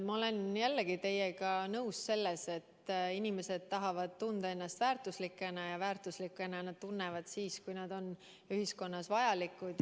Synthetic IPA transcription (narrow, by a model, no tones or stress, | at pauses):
mɑo̞le̞njælːeɡit̪e̞jeɡɑnɤwsse̞lːese̞t̪ːinʲime̞se̞d̪̥̚t̪ɑɦɑvɑd̪̥̚t̪und̪̥ɑe̞nːɑst̪væːrt̪ˑuslikːˑe̞nɑjɑvæːrt̪ˑuslikːˑe̞nɑnɑd̪̥t̪unːe̞vɑd̪̥siːskujnɑd̪̥o̞n | yhisko̞nːɑsvɑjɑlikːˑud̪̥